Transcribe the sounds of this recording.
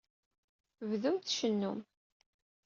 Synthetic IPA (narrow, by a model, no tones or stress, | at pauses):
vðumt̪ʃənːum